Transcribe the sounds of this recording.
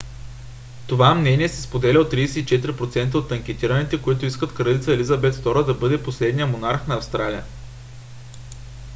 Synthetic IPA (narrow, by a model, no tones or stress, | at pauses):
t̪ovamnɛniɛsɛspod̪ɛlʲɛot̪ːɾijsɛit͡ʃɛt̪iɾipɾot̪sɛnt̪̬əot̪ːɐŋk̟ʲɛt̪iɾənit̪ɛkoit̪ʊiskət̪kɾəd̪it̪səɛlizɐbɛt̪ft̪ɔɾəd̪ɐbɤd̪ɛposlɛd̪nijəmonaɾxnɐɐfst̪ɾalijə